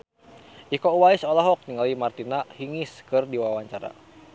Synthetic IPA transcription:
ʔikɔuwaisɔlaɦɔk̚niŋalimart̪inahiŋiskɨrdiwawaɲt͡ʃaɾa̰

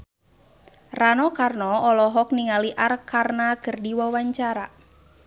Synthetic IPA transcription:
ranɔkarnɔɔlɔɦɔk̚niŋaliʔarkarnaɡ̥ərdiwawaɲt͡ʃaɾa

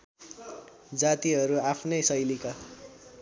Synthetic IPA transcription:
d͡zat̪iɦʌɾuapʰnʌjsʌjlika

